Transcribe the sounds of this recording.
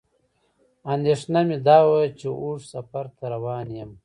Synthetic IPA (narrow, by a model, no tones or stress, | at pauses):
and̪eːʂnamid̪aːwat͡ʃeʔuːʂsɐfɐɾt̪ʰɐɾɐwaːnjɐm